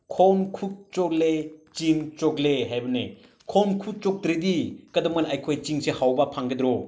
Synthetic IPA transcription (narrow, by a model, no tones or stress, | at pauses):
kʰonkʰuk̚t͡ʃoklet͡ʃiŋt͡ʃokleɦajbɐne | kʰonkʰuk̚t͡ʃok̚dɾedikɐdɐmɐnajkʰojt͡ʃiŋsehawbɐpʰaŋɡedɾo